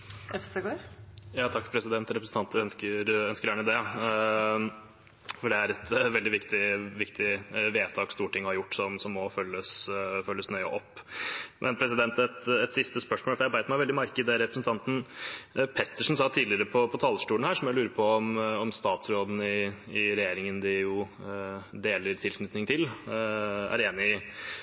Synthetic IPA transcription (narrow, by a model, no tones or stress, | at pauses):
ɛfst̪əɡoːɾjɑːt̪ʰɑkːpʰɾɛsɪd̪ɛnt̪ɾɛpɾəsn̩t̪ɑnt̪œnskəɾœnskəɾjæːɳəd̪ɛ | fɔɖɛæɾɛt̪ʋɛld̪ɪʋɪkt̪ɪʋɪkt̪ɪʋeːt̪ʰɑːkst̪uːʈʰːɪŋːɔhɑɾjʊʈːsɔmsɔmːɔfœlːəsfœlːəsnœʏə̰ʔɔpːmʔɛnpʰɾɛs̬ɪd̪ɛnt̪ɛt̪ɛt̪sɪst̪əspœʂmoːlfɔɾjæbæɪt̪mæɪʋɛld̪ɪmɑɾkəɪd̪ɛɾɛpɾəsn̩t̪ʰɑnt̪n̩ | pʰɛt̪ːəʂn̩sɑːt̪ʰiːlɪəɾəpʰɔpʰɔt̪ʰɑːləʂʈuːnhæːʂɔmjælʉːɾəɾpʰɔɔmɔmst̪ɑːt̪sɾoːb̪ən̩ɪɪɾɛjeːɾɪŋənd̪ɪjʊ | d̪eːləɾt̪ʰɪlkʰnʏt̪nɪŋt̪ʰɪl | æ̰ɾeːnɪ